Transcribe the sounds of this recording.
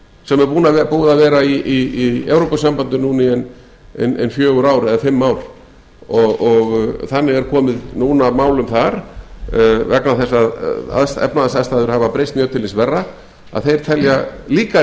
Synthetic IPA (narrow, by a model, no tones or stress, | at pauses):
sɛmɛɾpuːnaɛpuːðavɛːɾaiiiɛwɾopasampant̪ʏnuːniɛn | ɛnɛ̰nfjœːɣʏɾaːwɾɛðafɪmːawɾ̥ | ɔɣɔɣθanːɪɣɛɾkʰɔːmɪðnuːnamaːwlʏmθaɾ̥ | vɛknaθɛsːaa̰ðst̪ɛ̰pnaðast̪aːðst̪aːðʏɾ̥havapɾejst̪mjœːt̪ʰɪlɪnsvɛrːa | a̰ðθejɾ̥t̪ʰɛljaliːka